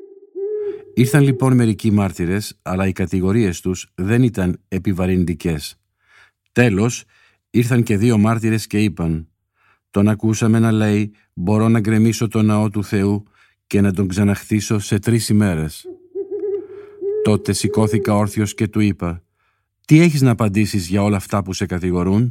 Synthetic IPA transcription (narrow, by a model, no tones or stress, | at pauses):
iɾθɐnlipo̞nme̞ɾicimɐɾt̪iɾe̞sɐlɐikɐt̪iɣo̞ɾie̞st̪usðe̞nit̪ɐne̞pivɐɾind̪ice̞s | t̪e̞lo̞s | iɾθɐŋce̞ðio̞mɐɾt̪iɾe̞sce̞ipɐn | t̪o̞nɐkusɐme̞nɐle̞j | bo̞ɾo̞nɐɡɾe̞miso̞t̪o̞nɐo̞t̪uθe̞u | ce̞nɐd̪o̞ŋɡzɐnɐxt̪iso̞se̞t̪ɾisime̞ɾe̞s | t̪o̞t̪e̞siko̞θikɐo̞ɾθio̞sce̞t̪uipɐ | t̪ie̞çiznɐːpɐnd̪isizʝɐo̞lɐːft̪ɐpuse̞kɐt̪iɣo̞ɾun